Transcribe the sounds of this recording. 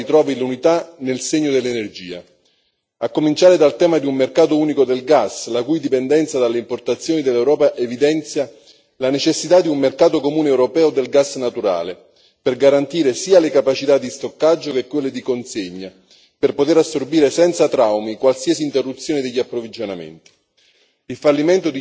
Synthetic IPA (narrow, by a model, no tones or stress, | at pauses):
it̪ɾɔːvilunit̪anelseɲːod̪elːenerd͡ʒiːa̰ | akːomint͡ʃaːɾed̪alt̪ɛːmad̪iummerkaːt̪ouːnikod̪elɡaslakujd̪ipɛnd̪ɛnt̪sad̪alːeimport̪at̪sːjoːnid̪elːɛwɾɔːpaʔevid̪ɛnt̪sja | lanet͡ʃesːit̪ad̪iummerkaːt̪okomuːneɛwɾopɛːod̪elɡasnat̪uɾa̰ːle | perɡaɾant̪iːɾesiːalekapat͡ʃit̪ad̪ːist̪okːad͡ʒːokekːwelːed̪ikonseɲːa | perpot̪eɾasːorbiːɾesɛnt̪sat̪ɾawmikwalsiːasiːnt̪erːut̪sːjoːned̪eʎːiapːɾovid͡ʒonamḛnt̪i̥ | ilfalːiment̪od̪i